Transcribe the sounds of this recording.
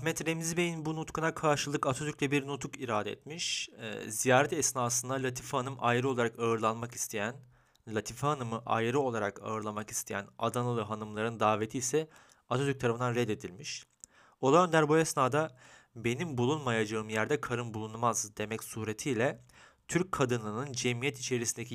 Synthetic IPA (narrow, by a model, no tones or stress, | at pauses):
mɛt̪ɾemizibe̞jinbunut̪kʰunakʰaɾʃɯlˠɯkat̪ʰod̪ycʲlʲɛbiɾnut̪ʰukiɾaːd̪ɛɛ̰t̪miʃzijaːɾɛt̪ɛsnaːsɯnd̪alʲat̪ʰifhanɯmajɯɾɯo̞lˠaɾakaɯɾlˠanmaki̥st̪ʰejæn | lʲat̪ʰifhanɯmɯʔa̰jɯɾɯo̞lˠaɾaka̰ɯɾlˠamaki̥st̪ʰe̞jæ̰nad̪anɯlˠɯɦanɯmlˠaɾɯnd̪aːve̞t̪ʰiːsɛ | at̪ʰo̞t̪yɾk̚t̪ʰaɾafɯnd̪anɾɛd̪e̞d̪ilʲmiʃ | olˠajø̞nd̪æɾbuɛsnaːd̪a | be̞nimbulˠunmajad͡ʒaɯmjæɾd̪ɛkʰaɾɯmbulˠunmazd̪e̞mɛcsuːɾet̪ʰijlʲɛ | t̪ʰyɾc̚kʰːad̪ɯnɯnɯnd͡ʒɛmijɛt̪it͡ʃʰe̞ɾisind̪ecʰ